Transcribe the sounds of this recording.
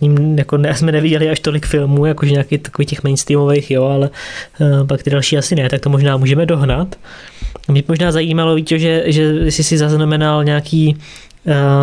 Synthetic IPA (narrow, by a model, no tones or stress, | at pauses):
ɲimjakonɛsmɛnɛvɪɟɛlɪaʃt̪o̞lɪkfɪlmuːjakoʒɛɲaːket̪ḁko̞viːcɛxmɛjnst̪ɾiːmo̞vejxjo̞alɛ | pakt̪ɪdalʃiːasɪnɛt̪ak̚t̪o̞mo̞ʒnaːmuːʒɛmɛdo̞ɦnat̪ | amɲɛbɪmoʒnaːzajiːmalo̞viːcoʒɛʒɛsɪsɪzaznamɛnalɲaːkʰiː